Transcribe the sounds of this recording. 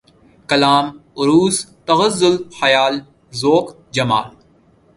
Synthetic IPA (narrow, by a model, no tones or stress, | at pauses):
kɐlaːmʊɾuːst̪ɐɣəzːʊlxɐjaːl | zoːk | d͡ʒɐma̰ːl